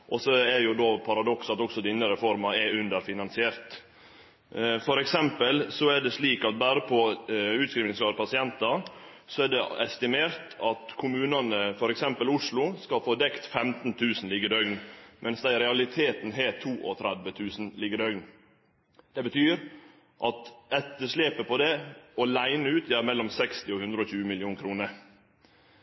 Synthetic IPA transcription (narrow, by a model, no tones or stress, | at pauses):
ʔɔsɔɛjʊd̪oːpʰɑɾɑd̪ɔksɑt̪ɔksɔd̪ɪnːəɾəfɔɾmɑɛʉnd̪əɾfɪnɑnsɪeːɾt̪ | fɔɾɛksɛmpəlsɔæɖɛsliːkɑt̪̚bæːɾəpʰɔʉːt̪skɾiːʋnɪŋsɾɑːɾpʰɑsɪɛnt̪ɑ | sɔɛɖɛɛst̪ɪmeːɾt̪ɑt̪kʰʊmʉːnɑnəfɔɾɛksɛmpəlʊʂlʊskɑfoːd̪ɛkt̪fɛmt̪n̩t̪ʰʉːsn̩lɪɡːəɾd̪œʏɡnmʔɛnsd̪æɪɾɛɑlɪt̪ʰeːt̪nɦeːt̪ʰuːʔɔ̰t̪ʰɾæd̪ʋət̪ʰʉːsn̩lɪɡəɾœʏɡn | d̪̥ɛbət̪ʰyːɾ | ʔɑt̪ɛt̪ːəʂleːpəpʰɔd̪ɛɔlæɪnəʉːt̪jæːɾmɛlːɔmsɛkst̪ɪɔhʉnd̪ɾəɔçʉːəmɪlɪuːnkʰɾuːnəɾ